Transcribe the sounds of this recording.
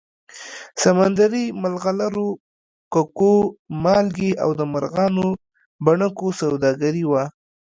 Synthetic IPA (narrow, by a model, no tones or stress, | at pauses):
samand̪aɾimalɣalaɾo | kakomɑlɡeʔa̰wd̪əmaɾɣɑno | baɳəkosawd̪ɑɡaɾiwa